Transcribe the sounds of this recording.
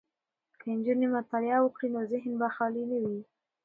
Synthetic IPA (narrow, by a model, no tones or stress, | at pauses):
kʰand͡ʒunemat̪alɪawʊkɽinozɪɦnbaxɑlinawi